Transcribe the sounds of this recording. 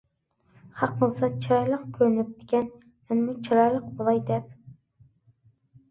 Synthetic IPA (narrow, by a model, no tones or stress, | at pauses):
hɑq̚bolˠsɑt͡ʃʰɨɾɑjlˠəqkʲʰøɾnyp̚d̪ɪ̥kʲɛn | ɛnmut͡ʃʰiɾɑjlˠəq̚bolˠɑjd̪ɛp̚